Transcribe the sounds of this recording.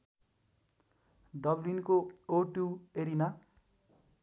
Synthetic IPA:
ɖʌblinkooʈueɾina

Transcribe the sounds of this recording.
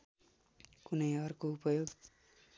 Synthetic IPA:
kunʌjʌrkoupʌjoɡ

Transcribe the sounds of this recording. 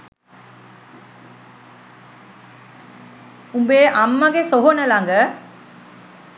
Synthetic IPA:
umbeːʔɐmːɐɡesoɦonɐlaŋɡə

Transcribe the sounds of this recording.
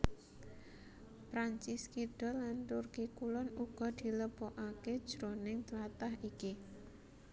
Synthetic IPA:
pɾaɲt͡ʃiskiɖ̥ɔ̤lant̪urkikulɔnuɡ̥ɔ̤d̪̥i̤ləb̥oʔaked̥ʒ̥ɾonɪŋt̪lat̪aɦiki

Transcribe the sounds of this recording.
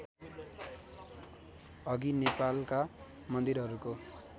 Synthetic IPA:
ʌɡinepalka | mʌnd̪iɾɦʌɾuko

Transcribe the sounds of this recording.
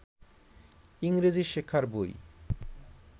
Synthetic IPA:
iŋɾed͡ʑiʃekʰːaɾboj

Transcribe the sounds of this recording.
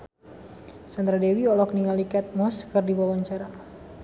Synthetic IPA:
sand̪ɾadewiɔlɔk̚niŋalikɛt̪̚mɔskərdibawaɲt͡ʃaɾa

